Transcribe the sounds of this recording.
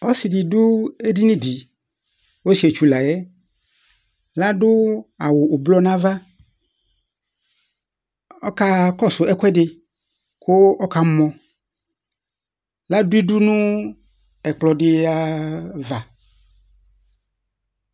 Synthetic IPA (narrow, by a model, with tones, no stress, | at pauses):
o˦si˨di˨dʊ˦e˦di˦nĩ˦di˨ | wo˦si˨e˨t͡ʃu˨la˨jɛ˦ | la˦ɖʊ˦a˨wo˨ʔo˨blɔ˦nã˦va˦ | ɔ˦ka˦kɔ˦sʊ˨ʔɛ˦kʷɛ˦ɖɪ˨ | ko˦ʔɔ˦ka˨˦mɔ̃˨ | la˦du˦i˦du˦nũ˦ | ɛ˨k͡plɔ˨ɖɪ˦a˦va˨